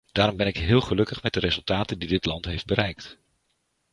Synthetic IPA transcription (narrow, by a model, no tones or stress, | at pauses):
d̥aːɾɔmbɛnɪkɦɪːlˠχəlɵkəχmɛt̚dəɾezɵlˠtaːtəndidɪtlɑntɦejfd̚bəɾɛjkt